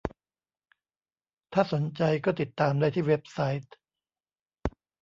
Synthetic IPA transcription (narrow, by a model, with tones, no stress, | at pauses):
t̪ʰaː˥˩so˩˦nt͡ɕa˧jkɔː˥˩t̪i˨˩t̪ːaː˧mdaː˥˩jt̪ʰiː˥˩we˦˥p̚sa˦˥jt̪̚